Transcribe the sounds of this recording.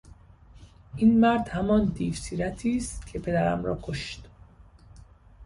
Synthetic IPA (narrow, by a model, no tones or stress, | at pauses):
ʔiːnmæɾd̪hæmɒnd̪iːfsiːɾæt̪ʰiːst̪cʰe̞pʰe̞d̪æɾæ̰mɾɒ̰ːkʰoʃt̪